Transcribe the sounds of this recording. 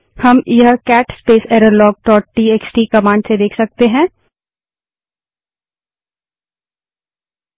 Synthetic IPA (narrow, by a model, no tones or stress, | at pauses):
hɐmjɦəkɛːʈspeːsɛːɾəɾlɔːɡ̚ʈɔːʈːiːeːksʈiːkɐmãːɳɖsed̪eːkʰsɐk̚t̪eɦɛ̃ː